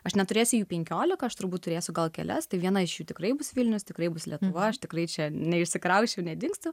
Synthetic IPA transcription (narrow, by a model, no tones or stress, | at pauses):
ɐʃnʲɛt̪ʊɾʲeːsʲʊjuːpʲɛŋʲkʲoːlʲɪkɐɐʃt̪ʊɾbuːt̪̚t̪ʊɾʲeːsʲʊɡɐlˠkʲɛ̰lʲɛst̪ɐɪʋʲiɛnɐɪʃjuːt̪ʲɪkɾɐɪbʊsʋʲɪlʲnʲʊst̪ʲɪkɾɐɪbʊslʲiɛt̪ʊʋɐɐʃt̪ʲɪkɾɐɪt͡ʃʲɛnʲɛɪʃʲsʲɪkɾɐʊʃʲt͡ʃʲɛʊnʲɛd̪ʲɪŋkst̪ʊ